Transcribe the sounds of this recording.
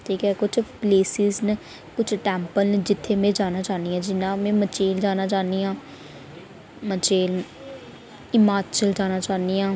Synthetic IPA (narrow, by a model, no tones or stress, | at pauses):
ʈʰiːkɛːkʊt͡ʃʰpleːsɪzn | kʊt͡ʃʰʈɛ̃ːmpəlnd͡ʒɪt̪ʰːeːmẽːd͡ʒaːnaːt͡ʃaːniãːd͡ʒɪnːãːmɛ̃ːmət͡ʃeːld͡ʒaːnaːt͡ʃaːniãː | mət͡ʃeːl | ɪmaːt͡ʃəld͡ʒaːnaːt͡ʃaːndiːãː